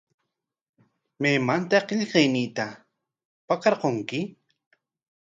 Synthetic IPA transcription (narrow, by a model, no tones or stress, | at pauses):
meːmant̪aqeʎqejnit̪a | pakɑɾqoŋkɪ